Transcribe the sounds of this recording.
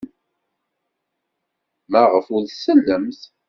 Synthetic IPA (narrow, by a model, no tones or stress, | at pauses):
mæʁəfʊɾsəlːəmθ